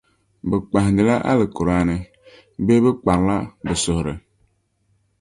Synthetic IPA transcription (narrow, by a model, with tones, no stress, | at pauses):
bɪ˨k͡pa˨ɦdɪ˨la˦ʔa̰˦lɪ˨kʊ˨ɾaː˦nɪ˨ | be˦bɪ˦k͡pa˨n˦la˦bɨ˨sʊ˨hɾɪ˨